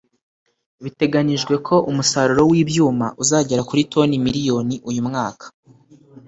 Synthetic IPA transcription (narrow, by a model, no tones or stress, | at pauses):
βite̞ɡaniʒɡwe̞kʰo̞ʔumusaɾuɾo̞wiːbjuːma̰ʔuzaːɟe̞ɾakuɾitʰo̞nimiɾijo̞niʔujumŋaːkʰḁ